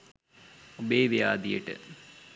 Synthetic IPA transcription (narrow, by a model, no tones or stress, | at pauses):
obeːʋejaːd̪ijəʈə̰